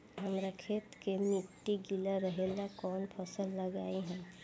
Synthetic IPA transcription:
ɦəmɾakʰet̪kemiʈːiɡilaɾəɦelakɔnpʰəsəlːəɡaiɦɛ̃

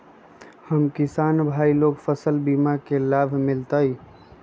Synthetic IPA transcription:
həmkisaːnbʱaːiloɡfʰəsəlbimakelaːbʱmɪlt̪əi

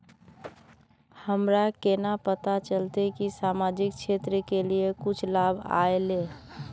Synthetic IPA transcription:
həmɾakenapət̪at͡ʃəlt̪ekisamad͡ʒik̚t͡ʃʰet̪ɾəkeliekut͡ʃʰlabʱa̰ele

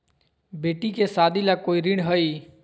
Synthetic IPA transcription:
beːʈikesaːd̪ilakoːiɾɪɳɦəi

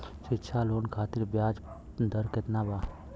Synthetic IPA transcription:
ʃɪtːʃʰaːloːnkʰaːt̪iɾbjaːd͡ʒ | d̪əɾket̪nabaː

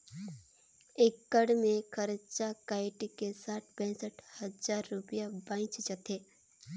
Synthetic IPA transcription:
eːkːəɽmẽkʰəɾt͡ʃakaːɪʈikesaːʈʰbɛ̃ːsəʈʰhəzaːɾːʊpjabãːɪ̃t͡ʃt͡ʃət̪ʰeː

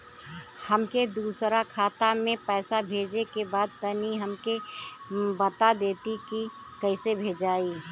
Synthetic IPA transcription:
həmked̪uːsɾakʰaːt̪amẽpɛːsabʱeːd͡ʒekebaːd̪̚t̪əniɦəmke | bət̪ad̪eːt̪iki | kəɪsebʱeːd͡ʒaːiː

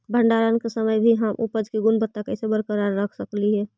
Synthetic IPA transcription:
bʱəɳɖaːɾankesəməjbʱiɦəmʔṵpəd͡ʒkiɡʊnbət̪ːakəɪsebəɾkəɾaɾːəkʰsəkliɦɛː

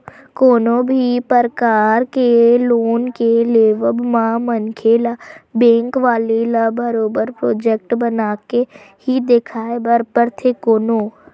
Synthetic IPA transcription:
koːnobʱipəɾkaːɾkeloːnkeleːʋəbmãmənkʰeːlabɛ̃ːŋkʋaːlilabəɾoːbəɾpɾoːd͡ʒeːk̚ʈbənaːke | hid̪ekʰaːebəɾpəɾt̪ʰekoːnoː

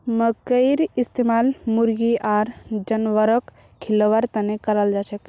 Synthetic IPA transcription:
məkəɪɾist̪emalmuɾɡiʔaɾd͡ʒənʋəɾək | kʰːiləʋəɾt̪ənekəɾəld͡ʒat͡ʃʰək

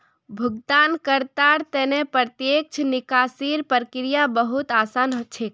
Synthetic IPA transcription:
bʱuɡ̚d̪ankəɾt̪aɾt̪ɛnepɾət̪jek̚t͡ʃʰnikasiɾpəɾəkɾijabəɦut̪asanɦot͡ʃʰek̚

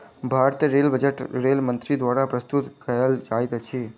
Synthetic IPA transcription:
bʱaɾt̪ijəɾelbəd͡ʒeʈɾelmənt̪ɾid̪ʋaɾapɾəst̪ut̪kəjəld͡ʒajt̪t͡ʃʰe

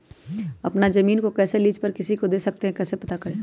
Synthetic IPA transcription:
ɐ̰pnazɐmiːnkokɛːseliːd͡ʒpɐɾkɪsikod̪eːsɐk̚t̪eɦɛ̃kɛːsepɐt̪akɐɽeː

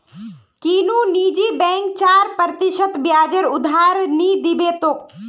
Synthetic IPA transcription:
kiːnũːniːd͡ʒiːbɛ̃ːŋk̚t͡ʃaːɾpəɾt̪ɪʃət̪bjaːd͡ʒəɾʊd̪ʱaːɾniːd̪ibeːt̪oːk̚

